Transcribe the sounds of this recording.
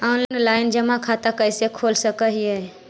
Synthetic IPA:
anlnlaːɪnd͡ʒəmakʰat̪akəɪsekʰoːlsəkəɦiə

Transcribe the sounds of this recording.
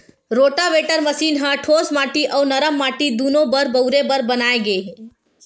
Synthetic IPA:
ɾoʈaʋeʈəɾməsiːnɦə̃ʈʰoːsmaːʈiʔəwnəɾəmːaʈid̪unobəɾbəʊɾebəɾbənaːeɡe

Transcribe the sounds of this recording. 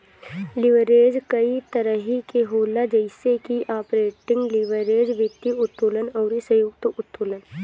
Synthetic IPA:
lɪʋəɾeːd͡ʒkəit̪əɾəɦikeɦoːlad͡ʒəɪsekiʔaːpɾeːʈɪ̃ŋɡlɪʋəɾeːd͡ʒʋɪt̪ːiʊt̪ːuːlənɔːɾisəjukt̪əʔʊt̪ːuːlən

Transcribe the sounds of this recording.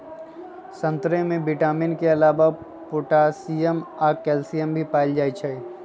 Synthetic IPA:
sə̃nt̪ɾẽmẽbɪʈaːmɪnkeɐlaːʋa | pʊʈaːsijəmaːkɛːlsijəmbʱipaːɪld͡ʒaːit͡ʃʰəe

